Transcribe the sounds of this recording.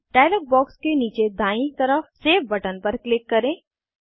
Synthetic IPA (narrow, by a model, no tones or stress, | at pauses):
ʈaːɪlək̚bɔːkskeniːt͡ʃed̪ʱaːĩt̪ɐɾəfseːfbɐʈənpɐɾklɪkːɐɾẽː